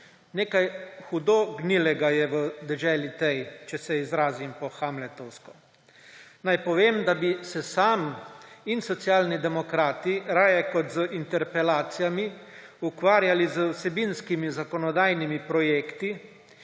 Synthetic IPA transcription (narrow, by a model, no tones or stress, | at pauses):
neːkajxud̪oɡnilɛɡajɛʋəd̪ɛʒɛːlit̪ɛjt͡ʃɛsɛizɾaːzimpɔxamlɛt̪ɔwskɔ | najpɔʋeːmd̪abisɛsaːminsɔt̪sjaːlnid̪ɛmɔkɾaːt̪iɾaːjɛkɔt̪zəʔint̪ɛɾpɛlaːt̪sijami | ukʋaːɾjalizəwsɛbinskimizakɔnɔd̪aːjnimipɾɔjeːkt̪i